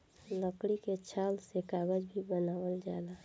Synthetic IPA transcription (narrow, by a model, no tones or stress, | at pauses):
ləkɽiket͡ʃʰalsekaɡəd͡ʒbʱibənaːwəld͡ʒaːla